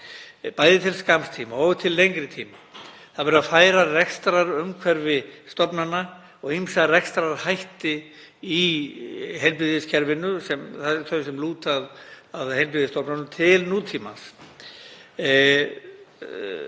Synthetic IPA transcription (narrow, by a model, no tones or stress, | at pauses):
paːjðɪt̪ʰɪlskamst̪ʰiːmaɔːvʏt̪ʰɪlːejŋkɾɪt̪ʰiːmaθaðvɛɾʏaðfaːjɾarɛkst̪ɾaɾʏmkʰvɛɾvɪst̪ɔpnanːa | ɔɣimsarɛkst̪ɾaɾhajht̪ɪ | i | ɦejlpɪðɪscʰɛɾvɪnːʏsɛmθat̪θʰœɥsɛmluːt̪aðaðhejlp̬ɪðɪst̪ɔpnanʏt̪ʰɪlnuːt̪ʰiːma̰s